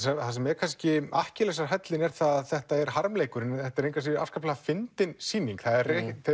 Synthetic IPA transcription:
sɛθasɛmɛɾkʰanscɪa̰hcɪlɛsaɾ̥ɦɛt̪lɪnɛɾ̥θaððθɛht̪aɛɾɦaɾmlejkʏɾɪnθɛht̪aɛɾejŋkvas̬iɾa̰fskapʰlaafɪnt̪ɪnsiːniŋkθaðɛɾe

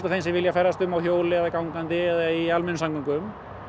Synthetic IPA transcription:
t̪aθejnsɪvɪljafɛɾːast̪ʏmawçjoːwlɪaðakawŋkant̪ɪɛðaialmɛnsaŋkʏŋkʏm

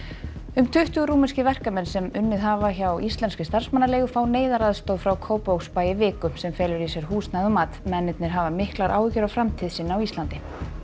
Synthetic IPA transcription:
ʏmt̪ʰʏht̪ʏɣɾuːmɪnscɪvɛr̥kamɛnsɛmʏnːɪðɦaːvaçawʔist̪lɛnscɪst̪ar̥smanːaɾlɛːɣʏfaːwneːjðaɾaðst̪owðfɾawkʰoːwpowkspaːjɪvɪːkʏsɛmfɛːlʏɾisjɛɾ̥ɦuːst̪naðʏmaːt̪mɛnːɪt̪nɪɾ̥ɦavamɪhklaɾʔa̰ːwcʏɾawfɾamt̪ʰiðsiːnːaawist̪lant̪ɪ

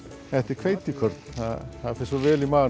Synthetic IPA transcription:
ɛht̪ɪ̥kʰvejt̪ikʰœɾt̪n̥θaðθaðfɪsɔvɛːlimaː

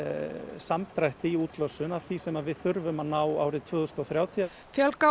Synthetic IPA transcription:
samt̪ɾajht̪ɪiuːt̪lœsʏnav̥θisɛmaðvɪðθʏɾvʏmanaːwa̰ːwɾɪt̪ʰv̥ʏːðʏst̪ɔθɾjaːwt̪ʰia | fjœlka

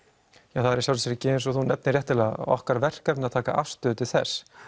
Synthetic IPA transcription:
jawθaðɛɾisjaw̪isɛːɾɪcɪːɪnsɔθunɛpnɪrjɛht̪ɪlɛaɔ̰hkaɾvɛr̥kɛpnaðt̪ʰaːka̰ʔa̰fst̪ʏːt̪ɪ̥θɛ̰s

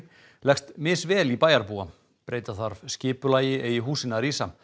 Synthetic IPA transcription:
lɛxst̪mɪːsvɛːlipaːjaɾpua | pɾeːjt̪aθaɾvscɪːpʏlaːjɪʔeːjɪɦuːsɪnaɾiːsa

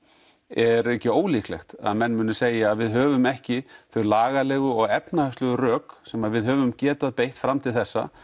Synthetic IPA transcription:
ɛɾɛcɪoːwliklɛ̰xt̪a̰ðmɛnːmʏːnʏseːjaːðvɪðɦœːvʏmɛhcɪθʏɾlaːɣalɛɣʏɔɣɛpnahast̪lʏɣʏrœːksɛmaðvɪðɦœvʏmcɛːt̪aðpejht̪fɾamːt̪ʰɪlθɛsːa̰

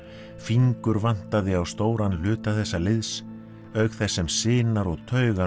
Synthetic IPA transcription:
fiŋkʏɾvan̥t̪aðɪawst̪oːwɾanl̥ʏːt̪aθɛsːalɪðs | œɥkθɛsːɛmsɪːnaɾɔɣt̪ʰœːɥɣa

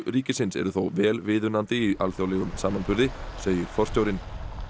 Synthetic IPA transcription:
ɾiːcɪsɪnsɛ̰ɾʏθowvɛːlvɪːðʏnant̪ɪiʔalθjowlɛɣʏmsaːmanpʰʏɾðɪseːjʏɾ̥fɔr̥t̪joːwɾɪn

